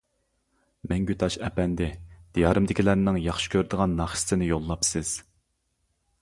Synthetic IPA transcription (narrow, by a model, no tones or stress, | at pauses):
mɛŋɡʲyt̪ʰɑʃɛpɛnd̪ɪd̪̥ijɑɾɨmd̪ɪkʲʰilæɾnɪŋjɑχʃɪ̥kʲʰøɾd̪ɨʁɑnːɑχʃɪ̥sɪnɪjolˠːɑpsɪz̥